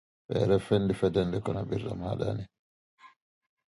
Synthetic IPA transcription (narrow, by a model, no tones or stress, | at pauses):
ɓɛ̰ɾɛfɛndifɛdɛndɛkɔnabiɾːa̰maɗa̰ni